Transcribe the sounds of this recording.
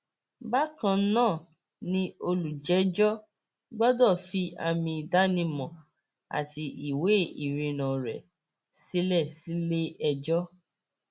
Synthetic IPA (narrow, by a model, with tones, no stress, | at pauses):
ba˦kã˧˦nãː˦˨ | nĩ˧o˧lu˨d͡ʒɛ˨˦d͡ʒɔ˦ | ɡ͡bɔ˦dɔ˦˨fi˧a̰˧mĩ˧˨da˦nĩ˧mɔ̃˨ | a̰˨ti˧ʔi˨we˨˦i˨ɾĩ˨˧nã˨ɾɛ̰˨ | si˦lɛ˦˨si˦le˦ɛ˧d͡ʒɔ˦